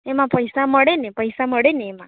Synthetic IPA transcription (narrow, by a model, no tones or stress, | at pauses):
emãpəjsaməɽenepəjsaməɽeneːmã